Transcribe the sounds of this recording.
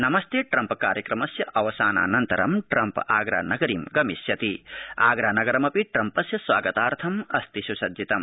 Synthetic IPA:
nɐmɐst̪ʰeːʈɾɐmpkaːɾjɐkɾɐmɐsjɐʔɐʋɐsaːna̰ːnɐnt̪ɐɾɐ̰mʈɾɐmpaːɡɾa̰ːnɐɡɐɾiːmɡɐmisjɐt̪iaːɡɾaːnɐɡɐɾɐmɐpiʈɾɐmpɐsjɐsʋaːɡɐt̪aːɾt̪ʰɐmɐst̪iʃusɐd̪it̪ɐm

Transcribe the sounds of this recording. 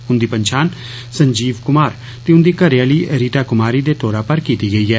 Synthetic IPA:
ʊnd̪iːpəɲt͡ʃʰaːn | sə̃ɲd͡ʒiːʋkʊmaːɾ | t̪eːʊnd̪iːkəɾejaːliːʔəɾiːʈaːkʊmaːɾiːd̪eːt̪oːɾaːpəɾkiːt̪iːɡəiːɛː

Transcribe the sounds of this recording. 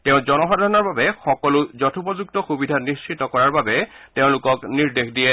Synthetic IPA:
teʊ̃zɔnɔxadʱaɹɔnɔɹbabɛxɔkɔlʊzɔtʰupɔzuk̚tɔxubidʱatnist͡ʃʰɹitɔkɔɹaɹbabɛ | teʊ̃lʊkɔkniɹdexdiɛ

